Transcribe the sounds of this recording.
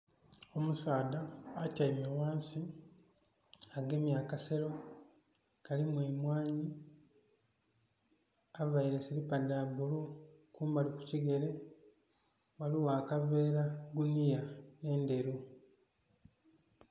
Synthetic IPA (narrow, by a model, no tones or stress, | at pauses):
o̞musaːdaːcaimewaːnsi | aɡe̞mjaːkase̞ɾo̞ | kalimweːmwaːɲi | avaiɾe̞silipadabulukuːmbaliku̥ciɡe̞ɾe̞ | waliwaːkave̞ːɾaɡunijae̞nde̞ɾu